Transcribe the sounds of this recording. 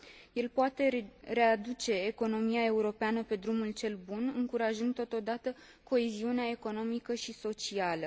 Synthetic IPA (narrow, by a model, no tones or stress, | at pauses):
je̞lpoat̪e̞ɾe̞ad̪ut͡ʃe̞ːko̞no̞miae̞uɾo̞peanəpe̞d̪ɾumult͡ʃe̞lbunɨŋkuɾaʒɨnd̪̚t̪ːo̞t̪o̞d̪at̪ə | ko̞e̞ziuneae̞ko̞no̞mikəʃiso̞t͡ʃialə